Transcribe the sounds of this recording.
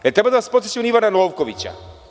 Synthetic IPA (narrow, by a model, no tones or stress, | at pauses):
ɛt̪ɾebad̪aʋaspot̪set͡ɕimniʋananowkoʋit͡ɕa̰